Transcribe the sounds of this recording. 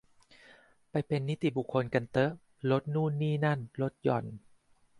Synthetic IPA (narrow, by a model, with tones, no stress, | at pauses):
pa˧jpe˧nːi˦˥t̪i˨˩bu˨˩kʰːo˧nka˧nt̪ɤ˦˥ | lo˦˥t̪̚nuː˥˩nːiː˥˩na˥˩nlo˦˥t̪̚jɔ˨˩n